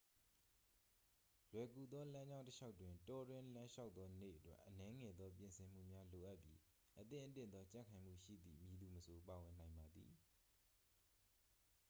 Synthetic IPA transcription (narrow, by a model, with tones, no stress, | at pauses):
lwɛ˨ku˨d̪ðɔ˦lã˦ɲd͡ʑã˦ʊ̃təʃa˦ʊtːwɪ̃˨ntɔ˦dwɪ̃˦lã˦ʃa˦ʊt̪ðɔ˦nḛ˦ʔətwɛ˦ʔːənɛ˦ŋɛ˨d̪ɔ˦p̬jɪ̃˨nsʰɪ̃˨m̥ṵ˦˨mja˦lo˨ʔa˦ʔpji˦ | ʔət̪ɪ̰̃˦˨ʔət̪ɪ̰̃˦˨nd̪ɔ˦t͡ɕã̰˦˨kʰã˨ɪ̃m̥ṵ˦˨ʃḭ˦˨d̪ðḭ˦˨mi˨d̪u˨məsʰo˨pa˨wɪ̃˨nã˨ɪ̃mba˨d̪ði˨